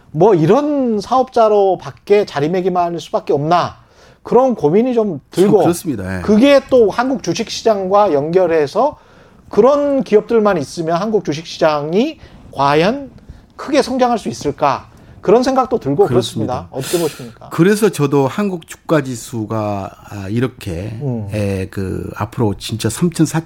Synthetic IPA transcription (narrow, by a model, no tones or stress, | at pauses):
mwʌiɾʌnsʰaʌp̚t͡ɕ͈aɾopakk͈e̞t͡ɕaɾime̞ɡimaɭs͈ubak͈eʌmna | kɯɾʌnkomiɲit͡ɕomtɯɭɡos͈mɲidakɯɡe̞t͈ohanɡuk̚t͡ɕuɕʰik̚ɕ͈ʰid͡ʑaŋɡwajʌŋɡjʌɾɦe̞sʰʌ | kɯɾʌnkiʌp̚t͈ɯɭmanis͈ɯmjʌnɦanɡuk̚t͡ɕuɕ̬ʰik̚ɕʰid͡ʑaŋikwajʌn | kʰɯɡe̞sʰʌŋd͡ʑaŋɦaɭs͈uis͈ɯɭk͈a | kɯɾʌnsʰe̞ŋɡak̚t͈otɯɭɡokɯɾʌs͈ɯmmɲidaʌ̰t͈ʌ̥kʰeboɕʰimɲik͈a̰kɯɾe̞s̬ʰʌt͡ɕʌdohanɡuk̚t͡ɕu̥k̚k͈ad͡ʑisʰuɡa | iɾʌkʰe̞̰ekɯ̰a̰pʰɯɾot͡ɕint͡ɕ͈asʰamt͡ɕʰʌnsʰa